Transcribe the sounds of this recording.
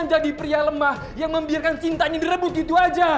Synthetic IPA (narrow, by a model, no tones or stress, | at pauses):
ɲd͡ʒadipɾialəmah | jaŋməmbiarkant͡ʃint̪aɲadiɾəbʊt̪̚ɡit̪uad͡ʒa